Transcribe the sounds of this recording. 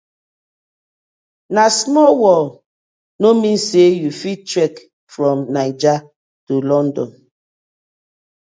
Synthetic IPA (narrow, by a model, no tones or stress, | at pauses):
nasmɔlwɔl | nomĩnsejufit͡ʃɹɛk | fɹɔ̃mnaɪd͡ʒa | tulɔ̃ndɔ̰̃n